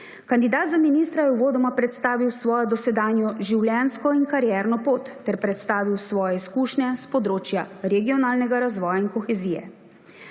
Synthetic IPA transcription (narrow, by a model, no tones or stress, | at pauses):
kand̪id̪aːd̪zaminiːst̪ɾajɛwʋoːd̪ɔmapɾɛt̪st̪aːʋiwsʋɔːjɔd̪ɔsɛd̪aːnjɔʒiwljɛːnskɔinkaɾjɛːɾnɔpoːt̪ːɛɾpɾɛt̪st̪aːʋiwsʋɔːjɛiskuːʃnʲɛspɔd̪ɾoːt͡ʃjaɾɛɡijɔnaːlnɛɡaɾazʋɔːjainkɔxɛziːjɛ̰